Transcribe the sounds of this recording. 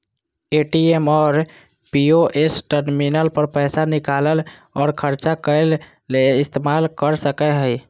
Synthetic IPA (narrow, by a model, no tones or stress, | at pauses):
eʈiemɔːɾ | pioʔesʈəɾminəlpəɾpəjsanikaləlɔːɾkʰəɾt͡ʃakəɪlː | eist̪emalkəɾsəkɛɦəj